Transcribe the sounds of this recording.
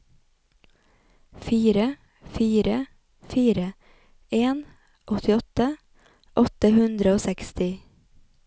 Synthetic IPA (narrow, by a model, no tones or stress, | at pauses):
fiːɾə | fiːɾə | fiːɾə | eːn | ʔɔt̪ʰɪɔt̪ə | ʔɔt̪əhʉnd̪ɾəoːsɛkst̪ɪ